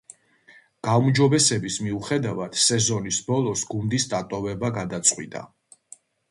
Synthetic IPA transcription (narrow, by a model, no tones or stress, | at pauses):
ɡ̥aumd͡ʒɔbɛsɛbismiuχɛd̪avad̪̥sɛzɔnisbɔlˠɔsɡund̪isd̪at̪ʼɔvɛbaɡad̪at̪sʼqʼwḭd̪ʼa̰